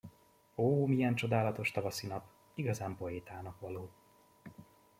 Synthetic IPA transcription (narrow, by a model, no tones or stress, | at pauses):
oːmijɛnt͡ʃo̞d̪aːlɒt̪o̞ʃt̪ɒvɒsinɒp | iɡɒzaːmpo̞eːt̪aːnɒkʋɒloː